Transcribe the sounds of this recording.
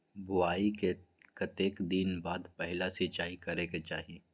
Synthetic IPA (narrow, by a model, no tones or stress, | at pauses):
bʊaːike | kɐt̪eːkd̪iːnbaːd̪pɛɦɪlasit͡ʃaːikɐɾeket͡ʃaːɦieː